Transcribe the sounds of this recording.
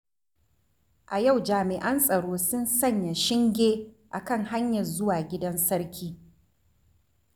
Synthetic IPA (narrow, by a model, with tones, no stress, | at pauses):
ʔa˨ja˦˨wd͡ʒaː˨mɪ˨ʔɐ˦nsʼɐ˨ɽoː˦sʊ˦nsɐ˦˨ɲja˨ʃɪ˦ŋɡʲeː˦ | ʔa˨kɐ˦˨ŋha˦ɲjɐ˨rzʊ˦waː˨ɡʲɪ˦dɐ˦nsɐ˦ɾkʲʰiː˦